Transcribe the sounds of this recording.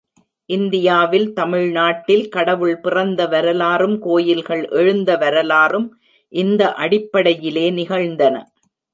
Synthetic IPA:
ʔɪnd̪ɪjaːʋɪlt̪ɐmɪɻnaːʈːɪlkɐɽɐʋɯɭpɪrɐnd̪ɐʋɐɾɐlaːrɯmkoːjɪlɣɐɭʔɛɻɯnd̪ɐʋɐɾɐlaːrɯm | ʔɪnd̪ɐʔɐɽɪpːɐɽɐjɪleːnɪɣɐɻnd̪ɐnɐ̰

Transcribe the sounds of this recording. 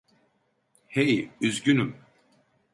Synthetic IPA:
hejyzɟynym

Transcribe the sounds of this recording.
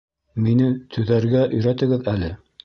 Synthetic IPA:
minɘt̪ʰɵ̆ðæɾɡæʔɵ̆jɾæt̪ɘ̆ɡɘðælɘ

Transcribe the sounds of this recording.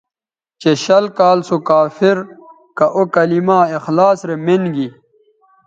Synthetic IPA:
t͡ɕeɕɐlkaːlsokaːfiɾ | kɐʔokɐlimaːexlaːsɾemenɡi

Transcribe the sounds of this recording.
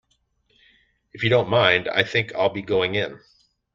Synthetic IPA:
ɨfjɨdõʊ̃nmãɪ̃nda̰ɪθɪ̃ŋkʰa̰ɪlˠbiɡoʊɪ̃ŋɪ̃n

